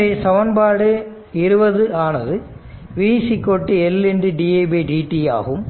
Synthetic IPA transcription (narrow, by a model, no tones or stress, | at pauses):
esɐʋɐnbaːɽɯ | ɪɾɯbɐðɯʔaːnɐðɯ | ʋiːsikːoʈːiɛlːendɯɖieːbiɖiːʈːija̰ːɣɯm